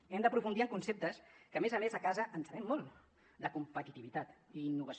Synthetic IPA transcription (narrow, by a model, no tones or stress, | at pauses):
ɛmd̪əpɾufund̪iəŋkunsep̚t̪əskəmezəmezəkazəʔənsəβɛmːɔlˠt | d̪əkumpət̪it̪iβit̪at̪iːnːuβəs